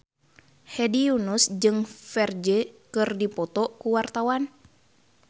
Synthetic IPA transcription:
hɛdiunusd͡ʒɨŋfɛrd͡ʒɛkɨrdipɔt̪ɔkuwart̪awan

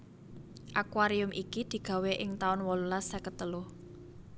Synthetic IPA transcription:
ʔakwaɾiʊmʔikid̪̥i̤ɡ̥ä̤weʔɪŋt̪aʊnwɔlulasɛkət̪əlʊh

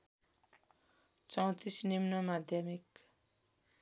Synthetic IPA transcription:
t͡sʌw̃t̪isnimnʌmad̪ʱjʌmik

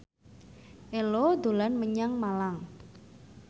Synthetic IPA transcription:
ʔelod̪o̤lanməɲaŋmalaŋ

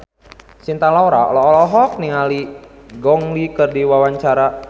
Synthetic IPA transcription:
sint̪alaɔɾaɔ̰lɔɔlɔɦɔk̚niŋaliɡɔŋlikərdiwawaɲt͡ʃaɾa

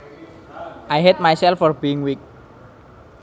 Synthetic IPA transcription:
ʔajɦɛd̚majsɛlfɔrbiɪŋwik̚

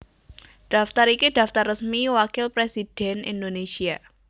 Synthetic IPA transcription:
ɖ̥a̤ft̪aɾikid̥a̤ft̪arːəsmiwakɪlpɾesid̥ɛnḭndonesia

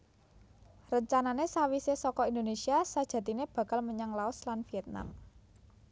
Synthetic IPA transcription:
rəɲt͡ʃananesawisesɔkɔind̪onesiasad̥ʒ̥ä̤t̪ineb̥ä̤ka̤lməɲaŋlaʊslanfiɛt̪̚na̰m

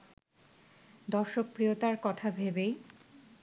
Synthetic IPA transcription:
d̪ɔɾʃok̚pɾiot̪aɾkɔt̪ʰabʱebej

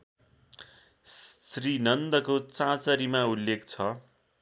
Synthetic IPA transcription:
srinʌnd̪ʌkot͡sãt͡sʌɾimaulːekt͡sʰʌ

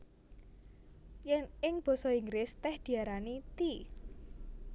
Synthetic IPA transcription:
jɛnɪŋb̥ɔ̤sɔiŋɡɾɪst̪ɛhd̪̥i̤aɾanit̪i

